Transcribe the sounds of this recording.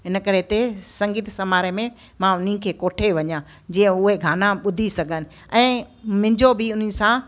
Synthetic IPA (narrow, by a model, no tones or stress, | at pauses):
ɦɪnəkɐɾet̪esɐ̃ŋɡiːt̪sɐmaːɾemẽ | mãʊn̤ikʰeːkoːʈʰeʋɐɲã | d͡ʑĩːə̃ʊɦeɡʱaːnaɓʊd̪ʱisɐɡʱənɪ̆ | ɛ̃ːmɪ̃ɲd͡ʑobɪʊn̤ɪ̆sã